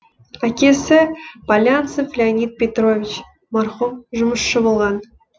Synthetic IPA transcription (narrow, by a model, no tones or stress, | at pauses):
akʲesʲɪpalʲansɨfʲlʲeanʲit̪̚pʲet̪rovʲit͡ɕ | mɑrχumʒʊ̆mə̆ʃːɤ̆bŏlˠʁɑn